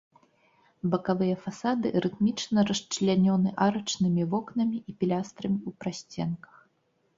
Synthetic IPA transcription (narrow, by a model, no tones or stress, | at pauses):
bɐkavɨjɐfasad̪ɨ̰ɾɨt̪mʲit͡ʂnɐɾɐʂt͡ʂlʲanʲɔnɨʔaɾɐt͡ʂnɨmʲivɔknɐmʲiipʲilʲast̪ɾɐmʲiupɾasʲt͡sʲɛnkɐ̥x